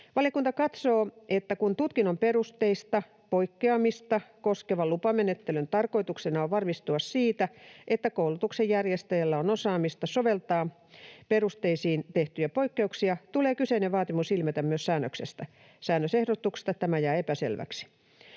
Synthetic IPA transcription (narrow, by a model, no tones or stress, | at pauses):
ʋɑlijɑkunt̪ɑkɑt̪soːʔet̪ːækunt̪ut̪kinomperust̪eist̪ɑ | poikːeɑmist̪ɑkoskeʋɑlupɑmenet̪ːelønt̪ɑrko̞it̪uksenɑoʋʋɑrmist̪uɑssiːt̪æet̪ːækoulut̪uksejjærjest̪æjælːæonosɑːmist̪ɑsoʋelt̪ɑː | perust̪eisiːnt̪eht̪yjæpoikːeuksiɑt̪uleːkyseineʋɑːt̪imusilmæt̪æmmyøssæːnːøksḛst̪æ | sæːnːøsehɾot̪ːˑuksi̥st̪ɑt̪æmæjæːepæsḛlʋæ̰ksi̥